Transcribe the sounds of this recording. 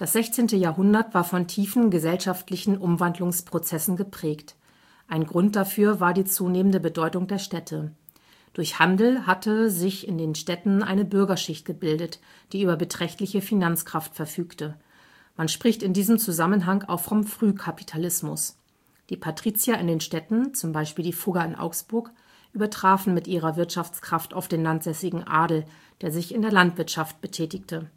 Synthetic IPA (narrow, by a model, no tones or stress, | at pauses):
d̥asz̥ɛçt͡seːntəjaːɐɦʊndɐtv̥aːɐfɔntʰiːfn̩ɡəzɛlʃaftlɪçn̩ʔʊmvandlʊŋspʁ̥ot͡sɛsn̩ɡəpʁ̥ɛːkt | ʔaɪnɡʁʊnt̚d̥afyːɐvaːɐdiːt͡suːneːməndəbədɔʏtʊŋdeːɐʃtɛtʰə | d̥ʊɐçhandl̩hatʰəzɪçɪndeːnʃtɛtn̩ʔa̰ɪnəbʏɐɡɐʃɪçt̚ɡ̥əbɪldət | d̥iːyːbɐbətʁ̥ɛçtlɪçəfinant͡skʁ̥aftfɛɐfyːktə | manʃpʁ̥ɪçtɪndiːzəmt͡suzamənɦaŋa̰ʊfʁɔmfʁ̥yːkʰapi̥tʰalɪsmʊs | d̥iːpʰatʁ̥iːt͡sjaɪndeːnʃtɛtn̩t͡sʊmbaɪʃpiːldiːfʊɡaɪnʔa̰ʊksb̥ʊɐk | ʔyːbɐtʁ̥aːfn̩mɪtʔiːʁ̞ɐvɪɐtʃaft͡skʁ̥afta̰ʊfd̥eːnlantz̥ɛsɪɡŋ̩ʔa̰ːdl̩ | d̥eːɐzɪçɪndeːɐlantv̥ɪɐtʃaft̚b̥ətʰɛːtɪçtʰə